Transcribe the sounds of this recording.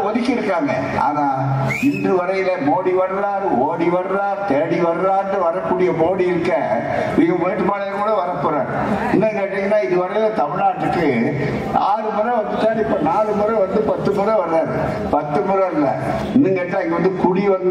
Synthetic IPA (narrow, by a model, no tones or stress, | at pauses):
ɔðɪkːɪɾɯkːaːŋɡɐ̰a̰ːnaːɪndrɯʋɐɾɐjɪlɐmoːɽiʋɐɾɯɾaːɾɯoːɽiʋɐɾɯɾaːɾt̪eːɽiʋɐɾɯɾaːndrɯʋɐɾɐkːuːɽɪjɐmoːɽiɪɾɯkːɐ | niːŋɡɐmeːʈːɯmaːlɐjɐkuːɽɐʋɐɾɐpːɯɾaːɾ | ɪnːɐŋkeːʈːɪŋɡɐnːaːɪðɯʋɐɾɐjɪlɐt̪ɐmɪɭaːʈːɯʈːɯ | aːɾɯmɯɾɐ̃ʋɐnd̪ɯt̪ːaːnɪpːonaːɾɯmʊɾɐ̃ʋɐnd̪ɯpɐt̪ːɯmɯɾɐ̃ʋɐɾɯɾaːɾɯ | pɐt̪ːɯmʊɾɐɾɪlːɐ̰ | ɪnːɛŋɡeːʈːãːɪŋɡɐʋɐnd̪ɯkʊɽiʋɐn